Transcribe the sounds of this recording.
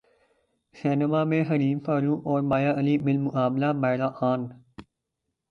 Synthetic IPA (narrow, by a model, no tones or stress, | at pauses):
seːnemaːmẽɦəɾiːmfaːɾũːʔɔːɾmaːjaʔəliːmɪlmʊʔaːmlamaːɾaʔaːn